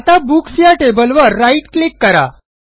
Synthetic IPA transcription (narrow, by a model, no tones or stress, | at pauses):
at̪abuksjaʈebəlʋəɾːaiʈklikːəɾa̰